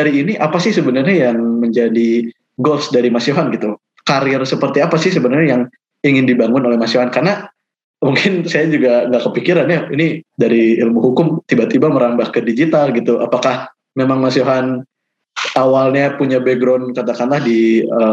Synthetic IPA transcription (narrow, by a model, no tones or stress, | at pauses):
daɾiːniʔapasɪhsəbənərɲajaŋməɲd͡ʒadi | ɡɔsdaɾimasioɦanɡit̪u | kaɾiɛrsəpərt̪iapasɪhsəbənərɲajaŋ | iŋɪndibaŋʊnolɛhmasioɦankarna | muŋkɪnsajad͡ʒuɡaŋɡakəpikiɾanjainidaɾiilmuɦukʊmt̪ibat̪ibaməɾambahkədid͡ʒit̪alɡit̪ua̰pakah | memaŋmasioɦan | awalɲapuɲabeɡɾɔnkat̪akanlahdiə